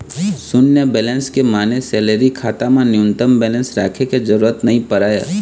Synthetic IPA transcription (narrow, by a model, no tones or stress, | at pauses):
sʊnjəbɛːlɛ̃nskemaːnesɛːləɾikʰaːt̪amãnɪʊnt̪əmbɛːlɛ̃nsɾaːkʰekezəɾuːɾət̪nɐɦĩpəɾaːja̰ː